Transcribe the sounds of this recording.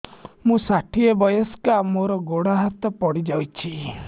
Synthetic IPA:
mũsaʈʰiebɔjɔskamoɾɔɡoɽaɦat̪ɔpɔɽid͡ʒawt͡ʃʰi

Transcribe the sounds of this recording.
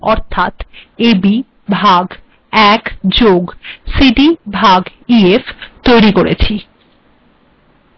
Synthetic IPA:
ɔɾt̪ʰat̪ebi | bʱaɡ | ɛkd͡ʑoɡsiɖibʱaɡ | ieft̪ojɾikoɾet͡ɕʰi

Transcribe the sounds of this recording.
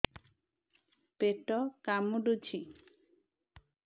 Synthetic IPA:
peʈɔkamuɖut͡ʃʰi

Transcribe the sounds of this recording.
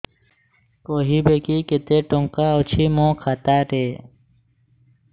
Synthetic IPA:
koːɦiːbekiːket̪eːʈoŋkaːot͡ɕʰiːmõːkʰat̪aːɾeː

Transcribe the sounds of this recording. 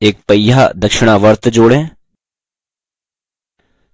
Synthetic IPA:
eːk̚pəjjaːd̪əkʃɪɽ̃aːʋəɾt̪d͡ʒoːɽẽː

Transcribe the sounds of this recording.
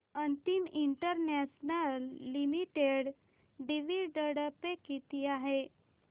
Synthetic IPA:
ənt̪imiɳʈəɾnɛsnallːimiʈeɽ | ɖiʋiɖəɽəpekit̪iːaɦe

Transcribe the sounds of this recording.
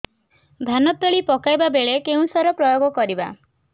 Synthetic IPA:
d̪ʱanɔt̪ːɔɭipɔkajbabeɭekeũsɔɾɔpɾɔjoɡɔkɔɾiba̰

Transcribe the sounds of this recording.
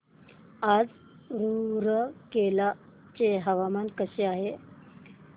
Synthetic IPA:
ad͡z | ɾuɾəkela | t͡ɕeɦəʋamankəɕeaɦe

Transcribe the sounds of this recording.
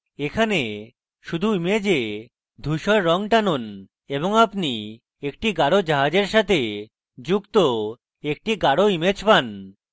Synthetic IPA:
ekʰane | ʃud̪ʱuimed͡ʑe | d̪ʱuʃɔɾːɔŋʈanon | eboŋapni | ekʈiɡaɽod͡ʑaɦad͡ʑeɾʃat̪ʰe | d͡ʑukt̪o | ek̚ʈiɡaɽoimed͡ʑpan

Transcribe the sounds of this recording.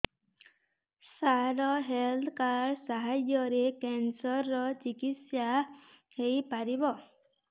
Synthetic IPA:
saɾɔɦelt̪ʰkaɾsaɦad͡ʒɔɾekɛnsɔɾːɔt͡ʃikit̪sja | hejpaɾibɔ

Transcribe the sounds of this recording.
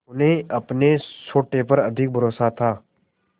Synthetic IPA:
ʊnẽɐpnesoːʈepɐɾɐd̪ʱɪk̚bʱəɾoːsat̪ʰaː

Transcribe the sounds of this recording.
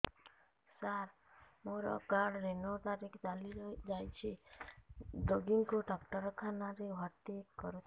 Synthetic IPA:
saɾ | moɾɔ̰kaɽɾenot̪aɾikʰt͡ʃaliɾd͡ʒajt͡ʃʰi | d̪oɡiŋkoɖakʈəɾkʰanaɾiʋʱat̪ikɔɾut̪ʰ

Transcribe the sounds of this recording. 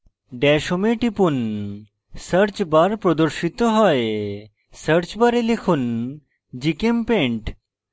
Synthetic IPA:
ɖɛʃomeʈipun | səɾt͡ɕbaɾpɾod̪oɾʃit̪oɦɔe | səɾt͡ɕbaɾelekʰun | d͡ʑikempeɳʈ

